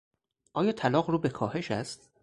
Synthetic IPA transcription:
ʔɒːjɒːt̪ʰælɒːɣruːbe̞kʰɒːhe̞ʃæst̪

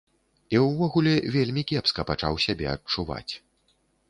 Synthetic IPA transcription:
iwvɔɣulʲɛvʲelʲmʲikʲɛpskɐpat͡ʂa̰wsʲabʲɛ̰ɐt̚t͡ʂuva̰t͡sʲ

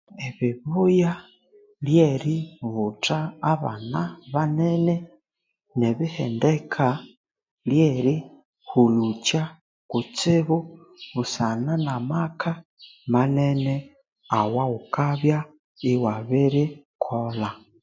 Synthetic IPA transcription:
eβiβuja | ljeɾiβutaːβa̰naβanene | neβihḛndekʰa | ljeɾi | hulut͡ʃa | kut͡siβu | βusananamaka | manene | awaukaβja | iwaβiɾi | kʰola

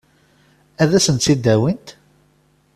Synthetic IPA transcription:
æðæsənt̪sid̪ːæwint̪

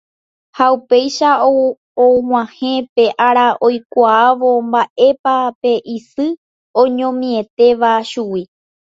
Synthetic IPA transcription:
haupe̞jʃa | om̃ʷãhẽ̞pe̞ʔaɾaʔo̞jkʷaaʋombaʔe̞pape̞ʔisɨ | õɲõ̞mĩe̞t̪e̞ʋaʃuwi

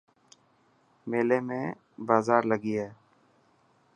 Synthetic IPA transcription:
meːleːmẽː | baːzaːɾləɡiːɦɛː

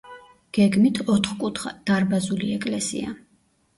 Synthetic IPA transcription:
ɡ̥ɛɡmit̪ʰɔt̪ʰχkʼut̪ʰχa̰d̪̥aɾbazuliɛkʼlɛsḭa̰

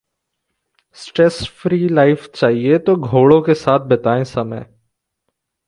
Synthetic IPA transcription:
sʈɾɛːsfɾiːlaːɪft͡ʃaːɦiet̪oɡʱoːɽõkesaːt̪̚ʰbɐt̪aːẽsɐmə̰j

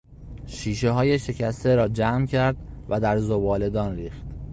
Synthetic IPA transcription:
ʃiːʃe̞ɦɒːje̞ʃe̞cʰæst̪eɾɒːd͡ʒæːmcʰæɾd̪ | væd̪æɾzobɒːle̞d̪ɒːnɾiːxt̪

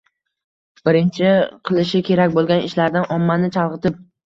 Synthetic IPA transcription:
b̥ɪɾɪnt͡ʃʰɪqʰɨlˠɪʃɪkʲʰe̞ɾakʲbolˠɡʲanɪʃlaɾd̪anʔɒmːanɪt͡ʃʰɑlˠʁɨt̪ʰɪp̚

